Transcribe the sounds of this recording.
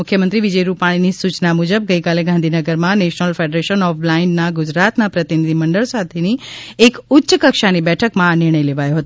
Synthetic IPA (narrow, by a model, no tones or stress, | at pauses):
ʊkʰjəmənt̪ɾiʋid͡ʒəjɾupaɽ̃inisut͡ʃnamud͡ʒəb̚ɡəikaleɡãnd̪ʱinəɡəɾmãneʃnəlfeɖɾeʃənɔflaɪnnaɡud͡ʒɾat̪napɾət̪inid̪ʱiməɳɖəɭsat̪ʰeniekʊtːʃəkəkʃanibɛʈʰəkmãːnɪɾɳ̃əjleʋajoɦət̪o